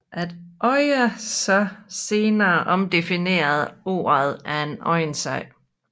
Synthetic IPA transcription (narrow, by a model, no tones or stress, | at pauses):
ʔæd̥ʔɒɪəsɒ̽se̝ːnɐːʔɒ̽md̥e̝fine̝̰ːɐðˠo̝̰ːɐð̩ˠʔæɐe̝nʔɒ̽ɪnsɑɪ̰